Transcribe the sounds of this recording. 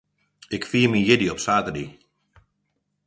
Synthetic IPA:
ɪkfiːmijɪdiɔpsaːtədi

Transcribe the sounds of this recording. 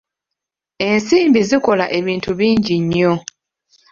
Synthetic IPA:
e̞nsiːmbiziko̞laʔe̞βiːntuβiːɲɟiɲːo̞

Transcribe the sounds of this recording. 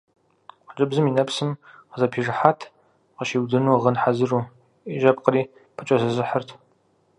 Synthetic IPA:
qət͡ʃʼɨbzɨminɐpsɨmqəzɐpʰiːʐɨħaːtʰ | qəʃiːwdɨnuːʁənħazɨruː | iʒɐp̚qəɾiː | pʰət͡ʃʼɐzɨzɨħərtʰ

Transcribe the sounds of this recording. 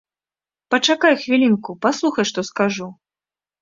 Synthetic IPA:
pɐt͡ʂakajxvʲilʲinkupaslˠuxɐjʂt̪ɔskaʐu

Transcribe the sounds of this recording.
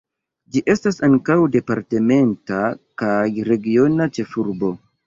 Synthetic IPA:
d͡ʒiʔe̞stasaŋkawde̞paɾte̞me̞ntakajɾe̞ɡio̞nat͡ʃe̞fuɾbo̞

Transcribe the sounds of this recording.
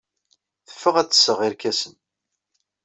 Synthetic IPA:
θə̥fːəʁæt͡sːə̥sːəʁiɾkæsən

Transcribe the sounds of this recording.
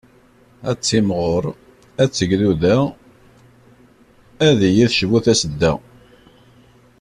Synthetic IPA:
æt͡sːimʁoɾˤ | æt͡sːəɡðuðæ | æðijiθʃvuθæsəd̪ːæ̰

